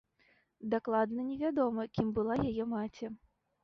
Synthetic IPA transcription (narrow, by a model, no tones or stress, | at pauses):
d̪aklˠad̪nɐnʲɛvʲad̪ɔmɐkʲimbɨlˠajajɛmat͡sʲɛ